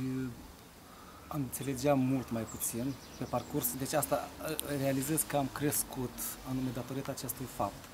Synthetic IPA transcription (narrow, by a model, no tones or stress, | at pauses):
amɨnt̪se̞le̞d͡ʒeamult̪majput̪sin | pe̞parkursd̪e̞t͡ʃʲast̪arealize̞zkəamkɾe̞skut̪anume̞d̪at̪o̞ɾit̪aːt͡ʃe̞st̪ujfap̚t̪